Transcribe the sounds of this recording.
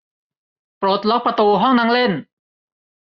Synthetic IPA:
pɾo˨˩t̪̚lɔ˦˥k̚pɾa˧t̪uː˧ɦɔ˥˩ŋna˦˥ŋle˥˩n

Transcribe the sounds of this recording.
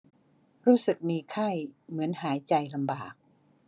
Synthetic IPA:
ɾuː˦˥˩sɯ˨˩k̚miː˧kʰa˥˩jmɯ˩˦ənɦaː˩˦jt͡ɕa˧jla˧mbaː˨˩k̚

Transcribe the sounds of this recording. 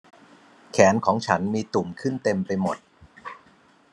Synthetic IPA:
kʰɛː˩˦nkʰɔː˩˦ŋt͡ɕʰa˦˥nmiː˧t̪u˨˩mkʰɯ˥˩nt̪e˧mpa˧jmo˨˩t̪̚

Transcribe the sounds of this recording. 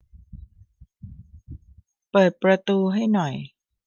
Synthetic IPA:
pɤː˨˩t̪̚pɾa˧t̪uː˧ɦa˥˩jnɔ˨˩j

